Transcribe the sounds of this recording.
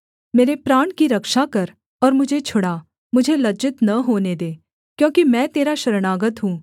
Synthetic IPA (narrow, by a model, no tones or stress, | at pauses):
meːɾepɾaːɳ̃kiɾɐkʃakɐɾ | ɔːɾmʊd͡ʒʱet͡ʃʰʊɽa | mʊd͡ʒʱelɐd͡ʒɪt̪nɐɦoːned̪eː | kjõːkimɛ̃ːt̪eːɾaʃɐɾɽ̃aːɡət̪ɦũː